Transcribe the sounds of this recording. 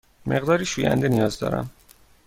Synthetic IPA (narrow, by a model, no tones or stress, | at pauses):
mʔe̞ɣd̪ɒːɾiːʃuːjæ̰nd̪enijɒːzd̪ɒ̰ːɾæ̰m